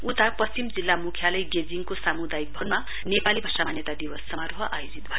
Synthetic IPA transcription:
ut̪apʌst͡simd͡zilːamukʰjalʌjɡed͡ziŋkosamud̪ajik̚bʱʌnma | nepalibʱasanjʌt̪ad̪iwʌsːʌmaɾɦʌʔajod͡zit̪̚bʱʌje

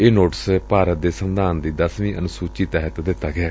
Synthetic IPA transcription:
eːnoːʈəspaːɾət̪̚d̪eːsənd̪aːnd̪iːd̪əsʋĩːʔənʊsuːt͡ʃiːt̪ɛːɦət̪d̪ɪt̪ːaːɡɪaː

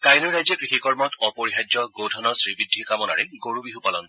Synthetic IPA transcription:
kajlɔɹɹajzɔkɹixikɔɹmɔtʰɔpoɹiɦajd͡ʒɔɡowdʰʱɔnɔɹsɹibidʱːikamɔna̰ɹɛɡoɹubiɦupalɔn

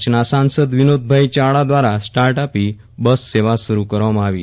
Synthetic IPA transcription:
t͡ɕnasãnsəd̪ʋinod̪̚bʱajt͡ɕaɭad̪ʋaɾasʈaɾʈapi | bəsːeʋasuɾukəɾʋaməaʋḭ

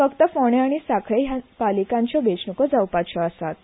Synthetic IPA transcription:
fəkt̪əfoɽ̃eaɽ̃isakʰɭejapalikãɲt͡ɕjɔbet͡ɕnəkɔd͡zawpat͡ɕʰɔəsat̪

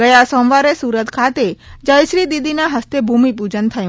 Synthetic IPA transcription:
əjasɔmʋaɾesuɾət̪kʰat̪ed͡ʒəjʃɾid̪id̪inaɦəst̪ebʱumipud͡ʒənt̪ʰəjũ

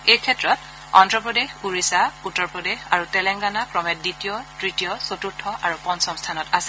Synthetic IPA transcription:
ejkʰɛtɹɔt | ɔ̰ntɹɔpɹɔdexuɹisautːɔɹpɹɔdexaɹutɛlɛŋɡanapɹɔmɛt̚ditijɔtɹitijɔsotuɹtʰːɔʔaɹupɔnsɔmstʰanɔtasɛ̥

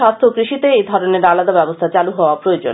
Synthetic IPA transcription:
ast̪ʰokɾiʃit̪eejd̪ʱɔɾoneɾalad̪abɛbost̪ʰat͡ɕaluɦɔoapɾojod͡ʑo̰n

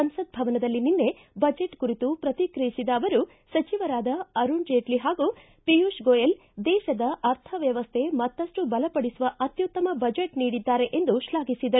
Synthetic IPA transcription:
ɐnsɐd̪̚bʱɐʋɐnɐd̪ɐlːininːe̞ | bɐd͡ʒe̞ʈkuɾit̪upɾɐt̪ikɾɐjisid̪ɐːʋɐɾu | sɐt͡ʃiʋɐɾaːd̪ɐɐɾuɳd͡ʒeːʈliɦaːɡu | pijuʃɡoːjɐl | d̪ɛːʃɐd̪ɐʔɐɾt̪ʰɐʋjɐʋɐst̪ʰe̞mɐt̪ːɐsʂʈubɐlɐpɐɽisuʋɐʔɐt̪jut̪ːɐmɐbɐd͡ʒeʈniːɽid̪ːaːɾe̞ʔend̪uʃlaːɡisid̪ɐɾu

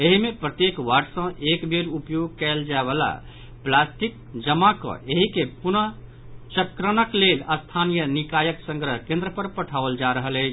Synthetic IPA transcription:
eɦimepɾət̪jekwaɖsə̃ʔekbʱeɾupjoɡ̚kɛld͡ʒaeβala̰ | plasʈik̚ | d͡ʒəmakə̰̃ʔeɦikepunə | t͡ʃəkɾənəkleləst̪ʰanijənikajəksə̃ŋɡɾəɦkẽnd̪ɾəpəɾpəʈʰabəld͡ʒaɾəɦələɪt͡ʃʰ

